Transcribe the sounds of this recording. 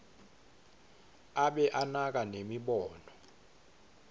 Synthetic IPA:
aɓɛʔanak̬ʼanemiɓɔːnɔ

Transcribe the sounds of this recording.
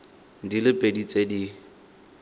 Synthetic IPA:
dilɪpʼedit͡sʼedi

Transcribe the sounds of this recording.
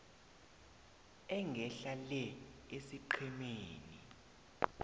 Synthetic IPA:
ɛŋɡʱɛɬalɛesiǃʰɛmeːni

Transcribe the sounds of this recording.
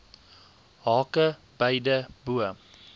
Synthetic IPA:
ɦɑːkə | b̥əjdəbuə

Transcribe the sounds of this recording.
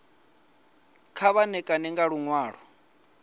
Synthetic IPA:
kʰaβanɛkʼanɛŋɡaɺuŋwaːɺ̤ɔ

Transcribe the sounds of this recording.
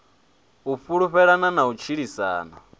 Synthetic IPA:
ufuɺuɸɛɺananaut͡ʃʰiɺisa̰ːna̰

